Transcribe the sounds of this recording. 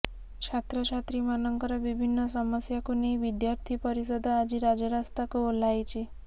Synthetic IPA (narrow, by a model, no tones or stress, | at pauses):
t͡ʃʰat̪ɾɔt͡ʃʰat̪ɾimanɔŋkɔɾɔbibʱinːɔsɔməsjakunejʋid̪jaɾt̪ʰipɔɾisɔd̪ʱɔad͡ʒiɾad͡ʒɔɾast̪akuolajt͡ʃʰi